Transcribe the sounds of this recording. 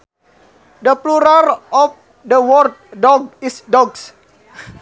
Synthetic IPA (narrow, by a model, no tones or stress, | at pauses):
d̪əpluɾarɔf | dəwɔrd̚dɔɡ̚isdɔɡs